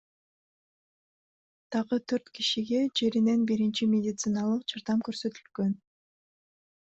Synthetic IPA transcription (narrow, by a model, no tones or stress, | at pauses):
d̪̥ɑʁɯt̪ʰøɾt̪kiʃiɡe̞d͡ʒe̞ɾine̞nbiɾint͡ʃimʲedʲɪt̪sɨnɑlˠɯqd͡ʒɑɾd̪ɑmkøɾsø̞t̪ylɡø̞n